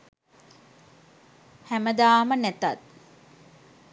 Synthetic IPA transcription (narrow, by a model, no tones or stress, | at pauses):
hæməd̪aːmənæt̪at̪̚